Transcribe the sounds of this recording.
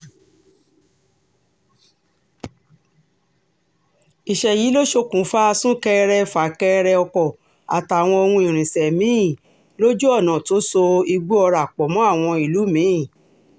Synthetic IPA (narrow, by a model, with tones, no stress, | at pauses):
i˨ʃɛ˧ji˨˦lo˦ʃo˧kũ˨˦fa˦a˧sũ˦kɛ˧ɾɛ˧fa˨˦˨kɛ˧ɾɛ˧ɔ˧kɔ˦˨ | a̰˨ta˨w̃ɔ̃˧o˧wũ˧i˨ɾ̃ĩ˨sɛ˨mĩ˨˦ĩ˦˨ | lo˦d͡ʒu˦ɔ˦˨nã˨to˨˦so˧i˧ɡ͡bu˦ɔ˧ɾa˨k͡pɔ˨˦mɔ̃˨˦a˦˨w̃ɔ̃˧i˨lu˨˦mĩ˨˦i˦˨